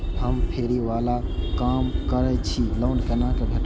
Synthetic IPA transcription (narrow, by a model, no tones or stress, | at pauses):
ɦəmpʰeːɾiʋaːlakamkəɾɛt͡ʃʰiləɳɖkənãkebʱeʈ